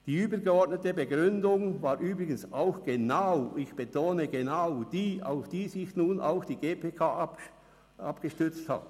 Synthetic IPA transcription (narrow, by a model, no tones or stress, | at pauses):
d̥iːyːbəɡəɔɐtnətəbəɡʁʏndʊŋvaːɐʔyːbʁɪɡənsaʊxɡ̥enaʊɪçb̥etʰoːnəɡenaʊd̥iːa̰ʊfd̥iːzɪçnuːnʔa̰ʊxd̥iːɡeːpʰekʰaːʔp | apɡ̥əʃtʏɐt͡stha̰t